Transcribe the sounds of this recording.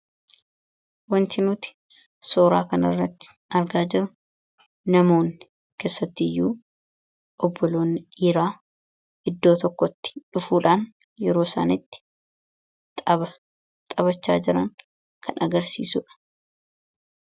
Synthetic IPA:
wɐnt̪ɪnuːt̪ɪ̥ | so̞ːɾa̰ːkɐnɐrːɐt̪ːɪ̥ | ɐɾɡaːd͡ʒɪɾʊ | nɐmo̞ːnːɪ | ke̞ːsːɐt̪ːɪjːuː | ʔɔbːɔlo̞ːnɪiːɾaː | ʔɪd̪ːo̞ːt̪ɔkːɔt̪ːɪ̥ᶑʊfuːᶑaːn | jɛɾo̞ːsa̰ːnɪt̪ːɪ̥ | t̪ʼɐbɐ | t̪ʼɐβɐt͡ʃːa̰ːd͡ʒɪɾɐŋ | kʰɐnʔɐɡɐɾsḭːsʊːᶑɐ̥

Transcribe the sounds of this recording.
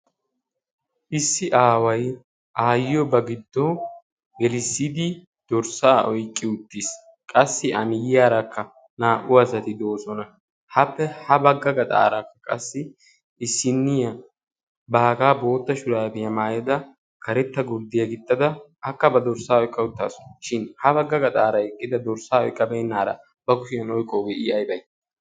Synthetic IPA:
ʔɪsːɪʔaːwɐj | ʔaːjɪjɔbɐɡɪd̪ːɔ | ɡɛlɪsːid̪ɪ | d̪̥ɔɾsaːʔɔjkʼːɪʊt̪ːis | kʼɐsːɪʔɐmɪjɪjaːɾɐkːɐ | naːʔʊɐsɐt̪ɪd̪o̞ːsɔnɐ | hɐpːɛhɐbɐɡːɐɡɐt̪ʼa̰ːɾakːɐ̥kʼɐsːɪ | ɪsːɪnːɪjɐ | baːkaːbo̞ːt̪ːɐʃʊɾaːbɪjɐmaːjɐd̪ɐ | kʰɐɾɛt̪ːɐɡʊɾd̪ɪjɐɡɪt̪ʼːɐd̪ɐːkːɐbɐd̪ɔɾsaːɔjkʼːɐʊt̪ːa̰ːsɔ̥ʃɪnhɐbɐɡːɐɡɐt̪ʼaːɾɐɛkʼːɪd̪ɐd̪ɔɾsaːɔjkʼːɐbɛjnːaːɾɐ̰ | bɐkʊʃɪjɐnɔjkʼoɡɛʔɪɐjbɐj

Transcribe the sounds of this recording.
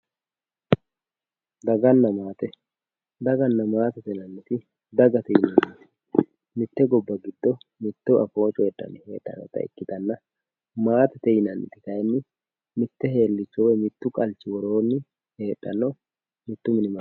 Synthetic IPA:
d̪ɐɡɐnːɐmaːt̪ɛ | d̪ɐɡɐnːɐmaːt̪ɛt̪ɛnɐnːɪt̪ɪ | d̪ɐɡɐt̪ɛjɪnɐnːɪt̪ɪ̥ | mɪt̪ːɛɡɔbːɐɡɪd̪ːɔmɪt̪ːʊʔɐfoːt͡ʃʼɔɛᶑːɐ̰nːɪheːᶑ̥ːɐ̰nɔ̰t̪ɐ̰ɪ̰kːɪt̪ɐnːɐ | maːt̪ɛt̪ɛjɪnɐnːɪ̰t̪ɪ̥kɐjnːɪ | mɪt̪ːɛɦe̞ːlːɪt͡ʃːɔwɛmɪt̪ːʊkʼɐlt͡ʃːɪwɔɾo̞ːnːɪ | he̞ːᶑːɐnːɔ | mɪt̪ːʊmɪnɪma

